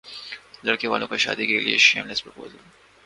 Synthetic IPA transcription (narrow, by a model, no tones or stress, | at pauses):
lɐɽkeʋaːlõkaʃa̰ːd̪ikeliḛʃḛːmlespɾpo̰ːzəl